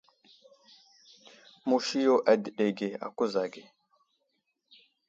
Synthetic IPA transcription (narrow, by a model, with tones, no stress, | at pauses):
mu˨ʃi˦jo˦˨ʔa˨d̪i˨ɗe˨ɡe˨a̰˨ku˦za˨ɡe˨